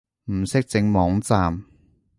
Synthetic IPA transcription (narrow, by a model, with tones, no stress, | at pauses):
m̩˨˩sɪ˥k̚t͡sɪ˨˧˥ŋmɔː˨˧˥ŋt͡saː˨˧m